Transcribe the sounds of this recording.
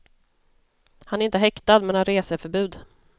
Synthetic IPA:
hanæɾɪnt̪əɦɛkt̪ad̪mɛnhanɾeːsəfœɾbʉ̟ːd̪

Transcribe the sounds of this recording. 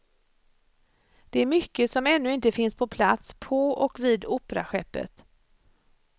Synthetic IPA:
d̪̥ɛæɾmʏkːəsɔmɛnːɵɪnt̪əfɪnspʰɔpʰlat̪spʰɔɔkviːd̪uːpɾa̰ɧɛpːə̰t̪

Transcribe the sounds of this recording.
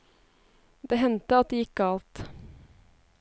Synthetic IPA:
d̪eːɦɛnt̪əɑt̪̚d̪eːɪkːəɑlt̪

